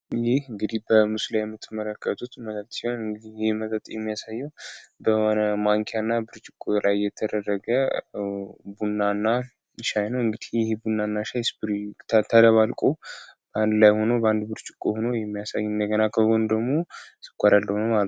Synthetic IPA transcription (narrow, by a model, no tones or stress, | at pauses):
jɛhɨŋɡɨd̪ihbəmɨslajɛmɨt̪ʰːɨmələkʰːət̪ʰut̪mət̪ʼət̪ʼsihonɨŋɡɨd̪ijɪhemət̪ʼət̪ʼjɛmːijasajːɛwbəhonəmaŋkʰejanːabɨɾt͡ʃʼɪkʼːulajːɛt̪ʰəd̪ərːəɡə | bunːanːa | ʃajnəwɨŋɡɨd̪ihjɪhebunːanːaʃajsbɨɾt̪ʰt̪ʰələβalkʼob̥əand̪lajho̞nobəand̪bɨɾt͡ʃʼɪkʼohonojɛmːijasajːɨnd̪əɡənakʰːəɡond̪əɡmo̞sɨ̥kʷʼːaɾald̪əwnomalt̪